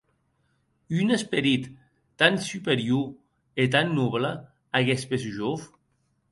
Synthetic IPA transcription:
ynespeɾit̪ː | ansypeɾju | et̪anːuβlə | aɣɛspesʒof

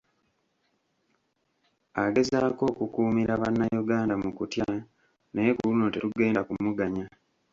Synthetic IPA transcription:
aɡe̞zaːko̞ːkukuːmiɾaβanːajuɡaːndamukutja | nejekuluno̞tetuɡe̞ːndakumuɡaɲa

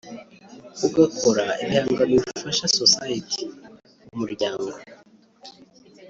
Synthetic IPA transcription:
uɡakoɾaijaːŋɡamifaʃasosajitʰi | umuɾɟaːŋɡo

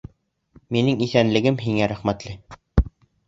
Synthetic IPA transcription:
minɘŋiθænlɘ̆ɡɘmɦiŋæɾæχmæt̪lɘ

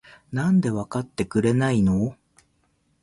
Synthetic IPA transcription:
nãnd̪e̞βakat̪ːe̞kɯ̟ɾe̞nainoː

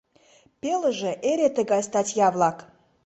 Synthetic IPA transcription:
pʲelˠəʒə̆ʔeɾʲet̪əɡɑjst̪at̪ʲjavlˠɑk

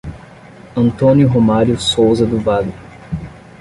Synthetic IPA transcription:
ɐ̃nt̪õnjʊɦomaɾjʊsowzɐd̪ʊvalɪ

